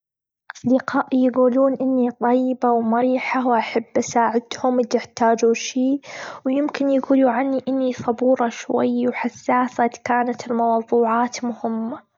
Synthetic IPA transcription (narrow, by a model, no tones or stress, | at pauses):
ʔɑsˤd̪ɪqaːʔijɡuːluːnʔɪnːit̪ˤɑjːɪbawmʊɾiːħawʔaħabːʔasaːʕɪd̪hʊmɪt̪ɪħt̪aːd͡ʒuʃiːwjɪmkɪnjaɡuːluʕanːiʔɪnːisˤɑbuːɾˤɑʃwa̰jːwħasːaːsat̪kaːnat̪ɪlmɑwðˤuːʕaːt̪mʊhɪmːa